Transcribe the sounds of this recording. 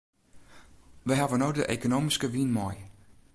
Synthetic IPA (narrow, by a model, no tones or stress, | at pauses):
ʋəjɦaʋənojdəʔḛkonoːmiskəʋinmɔj